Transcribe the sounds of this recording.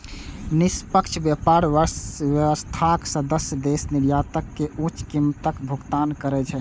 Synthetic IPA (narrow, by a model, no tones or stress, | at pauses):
nispəkt͡ʃʰbjapaɾʋəʋəst̪ʰaksəd̪əsjəd̪esniɾjat̪əkːeũt͡ʃkimt̪əkbʱuɡt̪ankəɾɛt͡ʃʰɛ